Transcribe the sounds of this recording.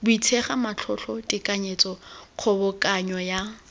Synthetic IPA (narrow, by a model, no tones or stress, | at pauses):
bʊit͡sʰeχamat͡ɬʰɔɬʰɔtʼɪkʼaɲet͡sʼɔq͡χʰɔbʊkʼaɲɔja